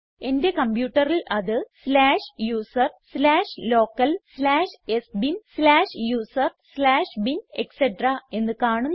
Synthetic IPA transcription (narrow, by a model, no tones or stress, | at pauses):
e̞nde̞kɐmbjuːʈːɐrilʔɐðɨslaːʂjuːsɐrslaːʂlo̞ːkːɐlslaːʂesbinslaːʂjuːsɐrslaːʂbine̞kseʈrae̞nːɨkaːɳunː